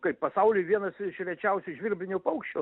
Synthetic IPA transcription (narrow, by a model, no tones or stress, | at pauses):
kɐɪppɐsɐʊlʲʊɪʋʲiɛnɐsʃʲɾʲɛt͡ʃʲɛʊsʲʊʒʲʋʲɪrʲbʲɪnʲʊpɐʊkʃʲt͡ʃʲoː